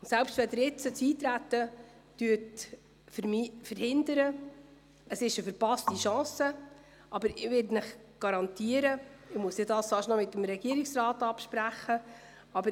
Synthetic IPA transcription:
ʊnsælpstʋɛd̪əɾɪt͡sət͡siːt̪ɾætːə | tyət | fmfəɾhɪnd̪əɾə | əsɪʃəfəɾpɑstiʃɑ̃ːsə | ʔɑbəɾɪʋɪɾdnɪχɡ̥ɑɾɑntiːəɾəɪmuəsɪdɑːsfɑːʃnɔmɪt̪ːəmɾɛɡ̥iəɾɪksrɑːtɑpʃpɾæχə | ɑbə

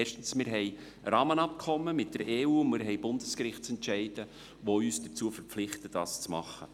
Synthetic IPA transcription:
ɛːʃtən̩smɪɾɦɛɪ | ɾɑːmənɑp̚kʰɔmːəmɪt̚d̥əɾʔeːuːmɪɾɦɛjbʊndəskɾɪχtt͡sɛntʃɛɪd̥ə | ʋoyːsd̥ət͡suːəfəɾp͡flɪχtəd̥ɑ̰ːst͡smɑ̰χːə

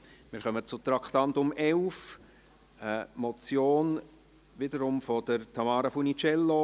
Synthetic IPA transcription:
mɪːɾχœmət͡sʊt̪ɾɑkχt̪ɑntʊmɛʊf | əmɔt͡sjoːn | ʋɪdəɾʊmfɔd̥əɾt̪ʰɑmɑːɾəfunit͡ʃɛlːo

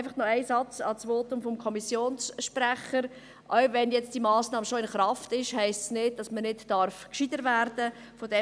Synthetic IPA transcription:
fɑχnɔæɪsɑt͡sɑ̰t͡sʋoːtʊmfɔmkʰɔmisjoːnsʃpɾæχəɾ | ʔœwʋɛnjɛt͡sd̥imɑːsnɑːmʃoɪnχɾɑftɪʃhɛɪstsnɪd̚d̥ɑsmənɪtdɑɾfkʃid̥əɾvæɾd̥ə | fodɛ

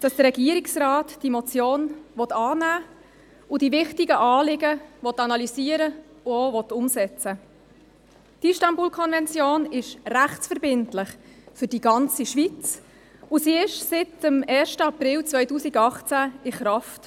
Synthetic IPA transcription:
d̥ɑsd̥əɾɛɡiəɾiksrɑːtd̥imɔt͡sjoːnʋɔt̪ɑːnæː | ʊdivɪχtiɡəʔɑːlɪɡəʋɔtɑnɑlisiːəɾə | ʊovɔt̪ʊmsɛt͡sə | d̥iʃtɑmbuːlkʰɔnvɛnt͡sjoːnɪʃræχt͡sfəɾbɪntlɪχfʏɾdiɡɑnt͡siʃʋit͡s | ʊsiɪʃsɪtəmɛːʃtəɑpɾɪlt͡svœʏtuːsiɡɑχt͡sæɪχɾɑft

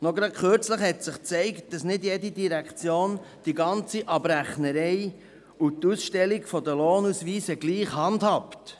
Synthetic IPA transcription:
nɔɡɾɑt̚kʰøɾt͡sləχhɛtsɪχt͡sɛɪkt̚d̥ɑsnɪdjɛdidiɾækʰt͡sjoːnd̥iɡɑnt͡siʔɑbɾæχnəɾɛɪ | utusʃtɛliɡfɔdəloːnusʋiːsəɡ̥liːχhɑndhɑpt

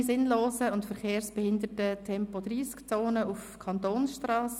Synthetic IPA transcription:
sɪnloːsəʊntfəɾχeːɾsb̥ɛhɪndətətʰɛmpodɾiːskt͡soːnəufkʰɑntoːnsʃtrɑːs

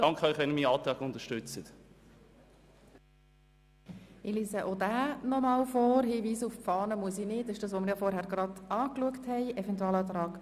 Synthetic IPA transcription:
d̥ɑŋkʰəœʏχʋɛnmiːɑːt̪ɾaːɡʊnt̪əʃtʏt͡sət | iliːsəʔodæːnɔmɑːlfɔːrɦiːviːsuffɑːnəmuəsinɪːtːɪʃdɑːs̬ʋomɪɾjaːfɔɾhæːɾɡɾɑdɑːkluəkthɛɪʔɛvɛntuɛlɑːt̪ɾɑːk

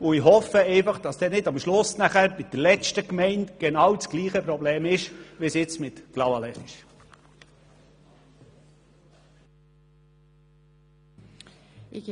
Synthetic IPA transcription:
ʊɪhɔfəɛɪfɑχd̥ɑsd̥ɛnɪdɑmʃlʊsnæχæɾmɪt̚d̥əlɛt͡ʃtəkmɛɪntɡ̥ɛnɑwt͡sɡ̥liːχəpɾɔbleːmɪʃʋisjɪt͡smɪtɡ̥lɑwɑlɛχɪʃ

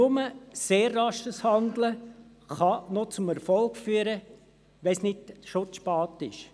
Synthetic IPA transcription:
nʊməseːrːɑʃəshɑnd̪lə | χɑnɔt͡sʊmɛɾfɔlkfyːəɾə | ʋɛnsnɪdʃʊt͡spɑːtɪʃ

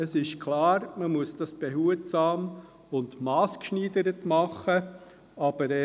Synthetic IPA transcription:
əsɪʃkʰlɑːɾməmuəsd̥ɑsb̥ɛɦuət͡st͡sɑːm | ʊntmɑːskʃniːd̪əɾətmɑχːə | ɑb̥əɾɛ

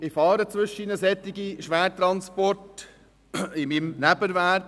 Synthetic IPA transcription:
ɪfɑːɾət͡sʋʏʃəinəsɛt̪ːɪɡiʃʋæːtɾɑnspɔrt | ɪmimnæbəɾvæk

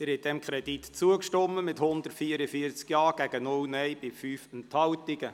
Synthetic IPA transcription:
ɪɾhɛt̚dɛmkʰɾɛd̥it̪t͡suəkʃtɔmːəmɪthʊnd̪ərtfiəɾəfiəɾt͡skjɑːɡ̥æɡənʊwnɛjb̥ɪfyːfɛnt̪hɑwtɪɡə

